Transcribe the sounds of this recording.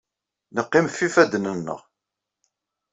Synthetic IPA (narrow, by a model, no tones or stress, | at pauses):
nəqːɪmfifæd̪nənːə̰ʁ